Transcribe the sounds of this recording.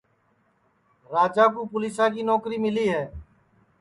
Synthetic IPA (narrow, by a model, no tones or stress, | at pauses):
ɾaːd͡ʒaːk̬ũːpʊliːsãːkiːnoːkɾiːmɪliːɦɛː